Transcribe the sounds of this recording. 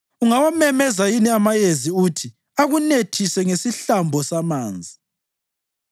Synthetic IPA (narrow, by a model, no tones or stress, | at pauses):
uŋawamɛmɛzajiniamajeziutʰi | aɣunetʰisɛŋesiɬambʱɔsamaːnd͡zʱi